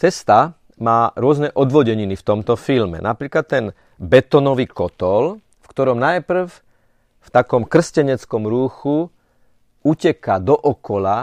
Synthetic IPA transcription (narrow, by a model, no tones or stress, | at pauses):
t͡sɛst̪a | maːɾʊɔznɛʔɔd̪ʋɔɟɛɲinift̪ɔmt̪ɔfilmɛ̰nʔapɾiːklat̪ːɛn | bɛt̪ɔnɔʋiːkɔt̪ɔl | fkt̪ɔɾɔmnajpr̩f | ft̪akɔmkr̩scɛɲɛt͡skɔmɾuːxu | ucɛkad̪ɔʔɔkɔla